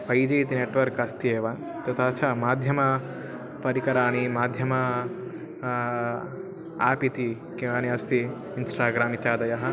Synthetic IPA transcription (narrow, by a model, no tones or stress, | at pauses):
pʰɐjd͡ʒɐjt̪ineːʈʋɐɾkɐst̪ieːʋaːn | t̪ɐt̪aːt͡ʃʰaːmaːd̪ʱjɐmɐ | pɐɾikɐɾaːnimaːd̪ʱjɐmɐ | aːpit̪i | kiʋaːniɐst̪iː | nsʈaːɡɾaːmit̪jaːd̪ɐjɐɦɐ̆